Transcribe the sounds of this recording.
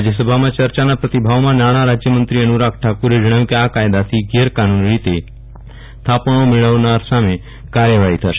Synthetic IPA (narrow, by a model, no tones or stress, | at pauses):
d͡ʒjəs̬əbʱamãt͡ʃəɾt͡ʃanapɾət̪ibʱaʋmãnaɽ̃aɾad͡ʒjəmənt̪ɾiənuɾak̚ʰʈʰakuɾed͡ʒəɽ̃əjũkiakajd̪at̪ʰiɡeɾkanunɭit̪e | t̪ʰapɽ̃omɪɭəʋnaɾsame | kaɾjəʋaɦit̪ʰəʃe̥